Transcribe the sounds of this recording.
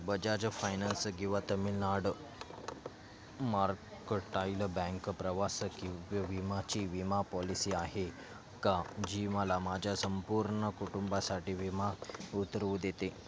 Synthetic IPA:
bəd͡ʑad͡ʑəfajnanskĩw̃ʋat̪əmilnaɽ | maɾkəʈajləbɛ̃ŋkpɾəʋasəkiʋʋimat͡ɕiːʋimapɔlisiːaɦe | kad͡ʑiməlamad͡ʑʱjasəmpuɾɳəkuʈumbasaʈiːʋimaut̪ɾəud̪et̪e

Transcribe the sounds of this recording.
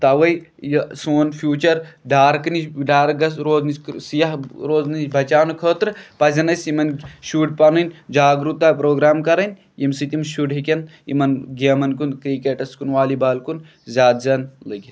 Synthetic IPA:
t̪ɐʋɐjjsoːnfʰjuːt͡ʃɐɾɖaːɾkɨniɖaːɾɡɐsɾoːznisʲsijɐɦɾoːznit͡ʃʲbʱɐt͡ʃaːnukʰoːt̪ɾɨpɐzʲɐnɐsʲimɐnʃuːʈ̚pɐnɐnʲd͡ʒaːɡɾut̪ːaːpɾoːɡɾaːmkɐɾɐnʲ | jimsit̪imʃuʈɦikʲɐnḭmɐnɡemɐnkunkɾikeːʈɐskunʋaːlibaːlkun | zʲaːd̪zʲɐːnlɨɡʲi

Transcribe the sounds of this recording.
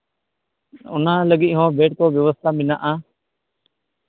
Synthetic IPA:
ʊ̰nãːləɠiːʔɦõːbʱeːʈ̚koːʋjəʋəst̪ʰaːmɪnã̰ːʔaː

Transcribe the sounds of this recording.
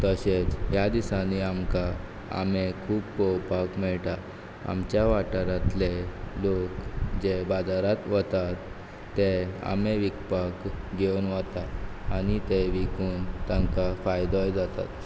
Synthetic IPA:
t̪əɕet͡sɦjad̪isaniamka | a̰mekʰuːbpɔwpakmɛɭʈa | a̰mt͡ɕjaʋaʈəɾat̪lelokd͡ʑebad͡zaɾat̪ʋət̪at̪ː | ea̰meʋikpakɡeunʋat̪aanit̪eʋikuːnt̪ãmkafajd̪ɔjd͡zat̪a̰t̪

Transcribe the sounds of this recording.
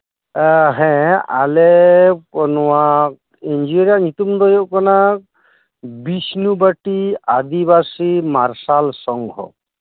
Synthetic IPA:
ɦɛ̃a̰lɛkɔnwak̚ | end͡ʒiɾijaɲit̪umd̪ɔjɔʔkɔnak̚ | bisnubaʈiad̪ibasimaɾsalsɔŋɡʱɔ̰

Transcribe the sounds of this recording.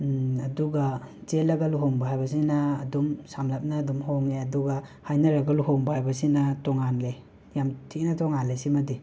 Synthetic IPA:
aduɡat͡ʃelɐɡaluɦoŋbaɦajbɐs̬inaːdumsamlap̚naːdumhoŋeɐduɡahajnaɾaɡaluɦoŋbahajbɐsinatɔŋanle | jamtʰik̚natɔŋanlesimɐdi

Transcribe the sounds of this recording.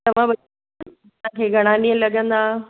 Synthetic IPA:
t̪ɐʋ̤ãbɐ | ãkʰeːɡʱɐɽ̃aniə̃lɐɠə̃nd̪aː

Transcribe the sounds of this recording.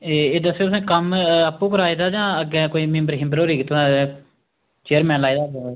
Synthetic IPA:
eːeːd̪əsːeoːsẽːkəməpːũːkəɾaːiːd̪aːd͡ʒãːəɡẽːkoːiːmɪ̃mbəɾɦɪmbəɾoːɾiːkːt̪ʰː | t͡ʃeːəɾmɛ̃ːnlaːid̪aː

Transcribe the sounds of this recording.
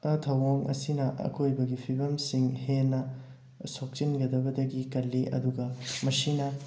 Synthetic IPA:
tʰɐwoŋɐ̰sinɐʔɐ̰kʰojbɐɡipʰibɐmsiŋhenːɐ | sok̚t͡ʃinɡɐdɐbɐdɐɡikɐlːiʔɐ̰duɡɐmɐsinɐ

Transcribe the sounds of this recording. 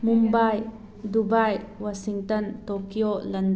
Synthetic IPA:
mumbaj | dubajwasiŋtɐntokiolɐnd

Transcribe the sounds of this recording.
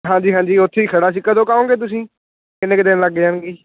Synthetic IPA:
ɦãːɲd͡ʒiːɦãːɲd͡ʒiːʊt̪ʰːeːiːkʰəɽaːs̬iːkːəd̪õːkaːõːŋɡeːt̪̬ʊs̬ĩː | kɪnẽːkɪd̪ɪnləɡed͡ʒaːnɡiː

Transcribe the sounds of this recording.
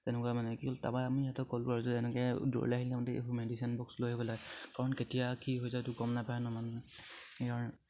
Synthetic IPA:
tɛnɛkuamanɛkikolta̰baamijatɔkɔlpaɹuzɛtɛnɛkɛdɔ̰ɹ̰laɦilmɔtɛḛkumedisiɔnbɔkslojɦebɔlaɡɛkaɹɔnketijakiɦojzatʊkɔmnapajɛnamanɛkaɹɔnɛ

